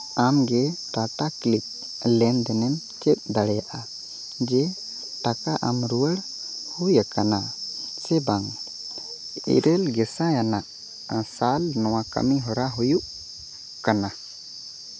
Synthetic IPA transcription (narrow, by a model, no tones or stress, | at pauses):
amɡɛʈat̪aklip̚ | lɛnd̪ɛnɛm | t͡ʃɛk̪̚d̪aɽɛjaʔa | d͡ʒɛ | ʈakaʔamɾuwəɽ | hujakanasɛbaŋ | ḭɾɛlɡɛsãjanaʔ | salnɔwaka̰miɦɔɾaɦujuʔ | kana